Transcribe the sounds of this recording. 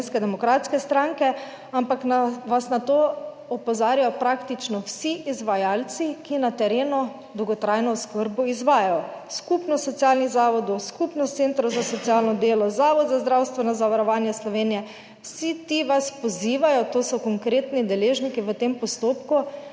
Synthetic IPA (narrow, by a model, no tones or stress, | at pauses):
nskɛd̪ɛmɔkɾaːt̪skɛst̪ɾaŋkɛ | ampaknaʋasnat̪o | ɔpɔzaːɾjajɔpɾakt̪it͡ʃnɔwsiʔizʋajaːlt̪sikinat̪ɛɾeːnɔ | d̪ɔwɡɔt̪ɾajnɔskəɾbɔizʋaːjajɔskupnɔsɔt̪sjalniɣzaʋɔd̪ɔwskupnɔt̪sent̪ɾɔwzasɔt̪ijalnɔd̪eːlɔzaːʋɔd̪zazd̪ɾawst̪ʋɛnɔzaʋaɾɔʋaːnjaslɔʋeːnijɛ | wsit̪iʋaspɔziːʋajɔt̪oːsɔkɔŋkɾeːt̪nid̪ɛleːʒnikiʋət̪empɔst̪oːpku